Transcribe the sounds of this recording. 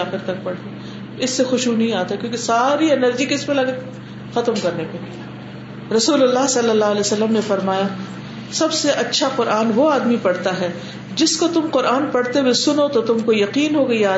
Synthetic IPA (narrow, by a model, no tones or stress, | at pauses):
aːxɪɾt̪ɐk̚pɐɽt̪e | ɪsːexʊʃunɐɦĩaːt̪akjõːkesaːɾiɛnəɾd͡ʒikɪsmẽlɐɡe | xɐt̪mkɐɾnepe | ɾɐsuːlʊlːaɦsɐlːəlːalɛːsɐlːəmnefɐɾmaːja | sɐbseʔɐtːʃʰaqʊɾʔaːnʋoaːd̪mipɐɽ̤t̪aɦɛː | d͡ʒɪskot̪ʊmqʊɾʔaːnpɐɽt̪ewesʊnot̪ot̪ʊmkojɐqiːnɦoɡɐiaː